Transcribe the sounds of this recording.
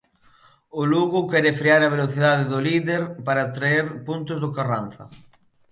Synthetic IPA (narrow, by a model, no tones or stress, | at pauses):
ʊluɣʊkɛɾɪfɾiaɾɐβeloθiðaðɪðʊliðeɾpaɾat̪ɾaeɾpunt̪ʊzðʊkaranθɐ̰